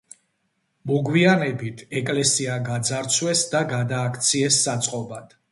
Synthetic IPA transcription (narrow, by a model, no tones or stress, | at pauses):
muɡwianɛbit̪ʰɛkʼlɛsiaɡad̪zaɾt̪sʰwɛsd̪aɡad̪aːkʰt̪sʰiɛsːat̪sʼqʼɔbad̪̥